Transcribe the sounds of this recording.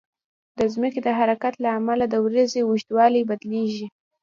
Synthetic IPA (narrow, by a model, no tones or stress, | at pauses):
d̪əzmiked̪əɦaɾakat̪laːmalad̪əwɾəzewʊʃt̪wɑlijbad̪leʒi